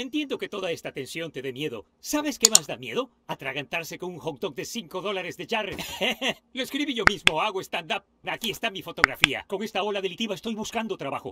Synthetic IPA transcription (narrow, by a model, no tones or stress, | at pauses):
e̞nt̪je̞nd̪o̞ke̞t̪o̞ðae̞st̪at̪e̞nsjo̞nt̪e̞ðemje̞ðo̞̰ | saβe̞ske̞mazd̪amje̞ð̞o̞ | at̪ɾaɣant̪aɾse̞konuŋxok̚d̪ok̚d̪esiŋko̞ðo̞laɾezðeʝare | loeskɾiβiʝo̞mizmoaɣoest̪and̪ap̚akie̞st̪amifo̞t̪o̞ɣɾafia̰ko̞ŋe̞st̪ao̞laðe̞lit̪iβaest̪o̞jβuskand̪o̞t̪ɾaβaxo̞̰